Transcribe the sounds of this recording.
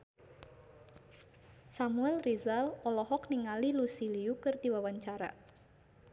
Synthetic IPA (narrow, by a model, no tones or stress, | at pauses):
samuɛlrizalɔlɔɦɔk̚niŋalilusiliukɨrd̪iwawaɲt͡ʃaɾa̰